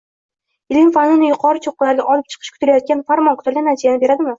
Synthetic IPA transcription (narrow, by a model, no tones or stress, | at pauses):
ɪlʲɪŋfanʊnɪjʊqʰɒɾɪt͡ʃʰoq̚ːʊlaɾɡʲaʔɒlˠɪp̚t͡ʃʰɨ̥qʰɨʃkʰʊ̥t̪ʰlajɒt̪̚kʲanfaɾmɒnkʰʊ̥t̪ʰalɡʲanːat͡ʃ̪ʰijanɪbeɾad̪ɪmɪ